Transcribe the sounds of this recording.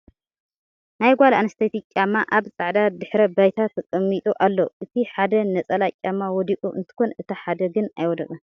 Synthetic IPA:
najɡʷalʔanɐst̪ʰɐt̪it͡ʃʲʼːamːaʔaβt͡sʼaʕd̪ad̪ɨħɾɐbajt̪ʰat̪ːkʼɐmːit̪ʼuʔalːoʔɨt̪ʰiħad̪ɐnɐt͡sʼɐlakʲʼːamːawɔd̪ikʼuʔɨ̰nt̪ʰɨ̥ko̞nɨt̪ʰaħad̪ɐɡɨnajwɔd̪ɐkʼɐn

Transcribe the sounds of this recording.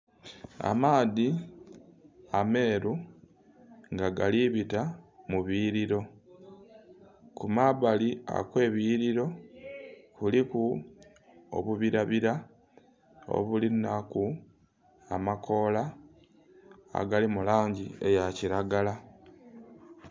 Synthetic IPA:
a̰maːði | ame̞ːɾu | ŋɡaɡaliβitamuβiɾiɾo̞ | kumaβalia̰kwe̞ːβiːɾiɾo̞ | βuliku | o̰βuβiɾaβiɾa | o̰βulinaku | a̰makʰo̞la | a̰ɡalimulaːɲɟiejaciɾaɡala

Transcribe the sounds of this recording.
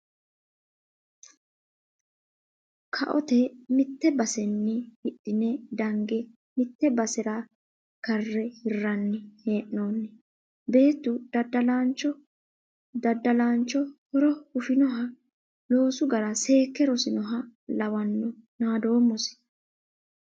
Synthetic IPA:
kʰɐ̰ʔɔ̰t̪ɛmɪt̪ːɛbɐsɛnːɛhɪɗːɪnɛd̪ɐŋɡɛ | mɪt̪ːɛbɐsɪɾa | kɐrːɛhɪrːɐnːɪhe̞ːʔno̞ːnːɛ | be̞ːt̪ːʊd̪̥ɐd̪ɐlant͡ʃːɔ | d̪ɐd̪ːɐlaːnt͡ʃːɔhɔɾɔhʊfɪnɔɦɐ | lo̞ːsʊɡɐɾɐse̞ːkːɛɾɔsɪnɔɦɐlɐwɐnːɔnaːd̪o̞ːmːɔsɪ̥

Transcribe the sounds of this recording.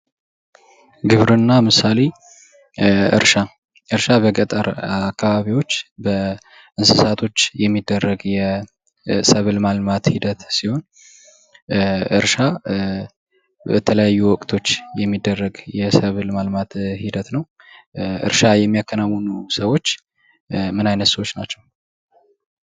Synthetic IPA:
ɡɨβɾɨnːamɨsale | ɨ̰ɾʃa | ʔɨɾʃaβəɡʼət̪ʼə̰ɾakʰːaβaβiwo̞t͡ʃːbə | ʔɨnsɨsat̪ʰo̞t͡ʃːjɛmːid̪ːərːəɡjɛ | səβɨlmalmat̪hid̪ət̪siho̞n | ɨ̰ɾʃa | bət̪ʰələjajːuwɔkʼt̪ʰo̞t͡ʃːjɛmːid̪ːərːəɡjɛsəβɨlmalmat̪hid̪ət̪nəw | ʔɨ̰ɾʃajɛmːijakʰːənawːunusəwo̞t͡ʃː | mɨnajnət̪səwot͡ʃːnat͡ʃːɛw

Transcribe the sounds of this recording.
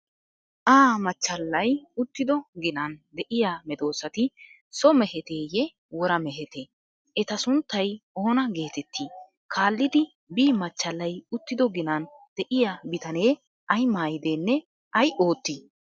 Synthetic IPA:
ʔaːmɐt͡ʃːɐlːɐjʊt̪ːɪd̪ɔɡɪnɐnd̪ɛʔɪjaːmɛd̪o̞ːsɐt̪ɪ | sɔmɛhɛt̪eːjɛ | wɔɾɐmɛɦɛt̪eː | ɛt̪ɐsʊnt̪ːɐjoːnɐɡe̞ːt̪ɛt̪ːiː | kʰaːlːɪd̪ɪ | biːmɐt͡ʃːɐlːɐjʊt̪ːɪd̪ɔɡɪnɐnd̪̥ɛʔɪjabɪt̪ɐne̞ː | ʔɐjmaːjɪd̪eːnːɛ | ɐjʔoːt̪ːi

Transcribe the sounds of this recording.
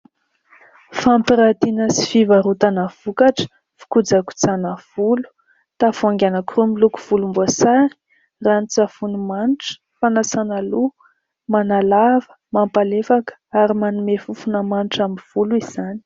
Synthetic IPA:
fampiɾat̪inəsi̥fivaɾut̪anavukaʈ͡ʂə̥ | fi̥kud͡zaku̥t͡sanav̥ulu̥ | t̪afuaŋɡʲanakurumiluku̥v̥ulumbuasaɾi̥ | rant͡safunumanʈ͡ʂə̥ | fanasanalu | manalavə̥ | mampalefakə̥aɾimanumefufunəmanʈ͡ʂamiv̥uluiz̥ani̥

